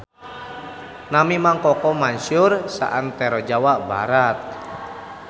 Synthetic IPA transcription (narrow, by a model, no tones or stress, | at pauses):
namimaŋkɔkɔmaɲsʊrsa̰ʔant̪ɛɾɔd͡ʒawabaɾat̪̚